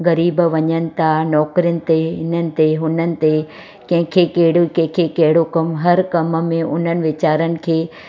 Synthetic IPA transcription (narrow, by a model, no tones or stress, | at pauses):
ɣɐɾiːbʋɐɲənɪ̆t̪ʰanɔːkɾijənɪ̆t̪eɪn̤ənɪ̆t̪eɦʊnənɪ̆t̪e | kɐ̃ɦɪ̃kʰekɐɦɪɽokɐ̃ɦɪ̃kʰekɐɦɪɽokɐmɦɐɾkɐmmẽʔʊn̤ənɪ̆ʋɪt͡ɕaːɾənɪ̆kʰeː